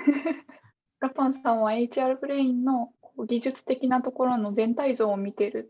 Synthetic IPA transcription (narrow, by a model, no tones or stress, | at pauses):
ɾapãɰ̃sãɰ̃β̞ae̞it͡ɕiaɾɯ̟pɯ̟ɾe̞ĩnːo̞koːɡʲiʑɨt͡sɨ̥t̪e̞kʲinat̪o̞ko̞ɾo̞no̞zẽ̞nt̪aizo̞ːmʲit̪e̞ɾɯ̟